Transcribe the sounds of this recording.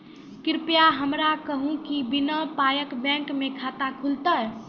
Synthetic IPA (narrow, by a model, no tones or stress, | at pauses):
kɪɾpjaɦəmɾakəɦũkibinəpajəkbɛ̃ŋkmekʰat̪akʰult̪ə